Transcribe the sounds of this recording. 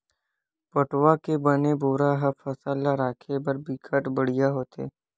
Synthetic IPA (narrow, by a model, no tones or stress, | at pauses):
pɐʈwakebɐneboːɾaɦɐfɐsəlaɾaːkʰebɐɾbikʰəʈbəɽ̤ijaɦoːt̪ḛː